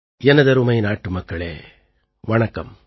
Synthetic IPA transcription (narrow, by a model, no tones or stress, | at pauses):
jɛnɐd̪ɐɾumɐjnaːʈːumɐkːɐɭḛː | ʋɐɳɐkːɐm